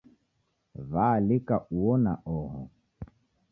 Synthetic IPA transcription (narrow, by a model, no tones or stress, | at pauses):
valikaʔuɔnaʔɔɦɔ̰